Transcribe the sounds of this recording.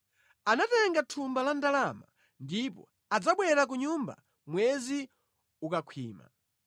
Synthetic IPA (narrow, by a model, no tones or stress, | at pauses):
anatɛŋɡatʰumbalandalama̰ | ndipɔ̰ | ad͡zaɓwɛɾak̬uɲumba̰ | mwɛzi | ukakʰwḭːma̰